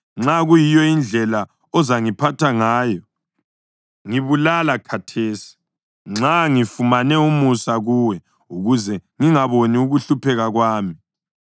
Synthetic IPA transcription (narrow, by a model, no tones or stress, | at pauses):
ŋ͡ǁaɣujijɔind͡ɮʱɛla | ɔzaŋipʰatʰaŋaːjɔ | ŋiβulalakʰatʰeːsi̥ | ŋ͡ǁaŋifumanɛumusaɣuːwɛ | uɣuzɛŋiŋaβoniuɣuɬupʰɛɣaɣwaːmi